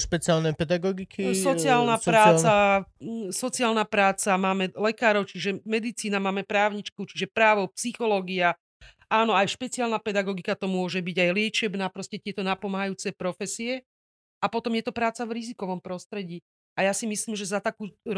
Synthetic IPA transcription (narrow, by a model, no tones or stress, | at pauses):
ʃpɛt͡sɪalnɛpɛd̪aɡɔɡikʰisɔt͡siaːlnapɾaːt͡sa | sɔt͡siaːlnapɾaːt͡samaːmɛlɛkaːɾɔʊt͡ʃiʒɛmɛd̪it͡siːnamaːmɛpɾaːʊɲit͡ʃkut͡ʃiʒɛpɾaːʋɔpsixɔlɔɡia | aːnɔajʃpɛt͡siaːlnapɛd̪aɡɔɡikat̪ɔmʊɔʒɛbiɟajlɪɛt͡ʃɛbnaːpɾɔscɛt̪ɪɛt̪ɔnapɔmaɦajuːt͡sɛpɾɔfɛsiɛ | apɔt̪ɔmjɛt̪ɔpɾaːt͡savɾizikɔʋɔmpɾɔst̪ɾɛɟiː | ajasimisliːmʒɛzat̪akuː